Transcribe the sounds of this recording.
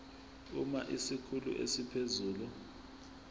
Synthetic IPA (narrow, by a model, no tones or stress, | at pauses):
umaʔisikʰulṵʔḛsipʰezuːlu